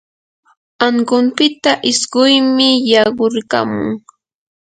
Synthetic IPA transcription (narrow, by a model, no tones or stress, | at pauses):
aŋɢʊmpɪt̪aʔɪsɢʊjmɪjɑɢʊɾka̰mʊ̰ŋ